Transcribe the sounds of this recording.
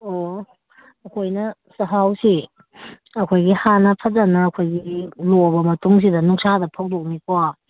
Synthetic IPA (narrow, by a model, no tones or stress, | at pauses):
o | ɐkʰojnɐsɐɦawsi | ɐkʰojɡihanɐpʰɐzanɐːkʰojɡilobɐmɐtuŋs̬idɐnuŋsadɐpʰɐwdok̚mika